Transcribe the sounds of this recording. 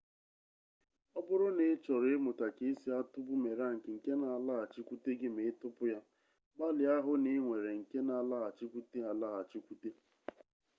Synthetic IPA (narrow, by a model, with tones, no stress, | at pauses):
ɔ˦bʊ˦ɾʊ˦ne˨˦t͡ʃɔ˨ɾmʊ˨ta˨ke˦si˦a˦tʊ˦bʊ˦me˨ɾa˦˨ŋ̩˨kɪ˨ŋ̩˨ke˦na˨la˦a˨t͡ʃi˦kʷu˦te˦ɡɪ˦me˨ɪ˦tʊ˦pʊ˦ja˦ | ɡ͡ba˦lɪ˨a˦ɦʊ˦ni˦ŋʷe˨ɾe˨ŋ̩˨ke˦na˨la˦a˨t͡ʃi˦kʷu˦te˦a˨la˦a˨t͡ʃi˦kʷu˦te˦